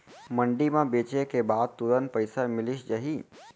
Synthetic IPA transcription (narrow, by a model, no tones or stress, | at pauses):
məɳɖimãbet͡ʃekebad̪̚t̪uɾənpəjsamɪliʃd͡ʒəɦi